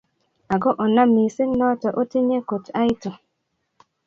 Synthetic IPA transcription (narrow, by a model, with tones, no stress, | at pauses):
a˨ɡɔ˦ʔɔ˨na˦mi˨si˦n˦lɔ˦tɔ˨ʔo˦ti˦ɲe˦ko˨ta˦jto˨